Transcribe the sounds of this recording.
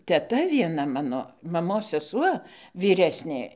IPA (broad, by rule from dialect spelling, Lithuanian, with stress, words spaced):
tʲɛˈtɐ ʋʲiɛˈnɐ ˈmɑːnoː mɐˈmoːs sʲɛˈsuɔ ʋʲiːˈrʲæːsʲnʲeː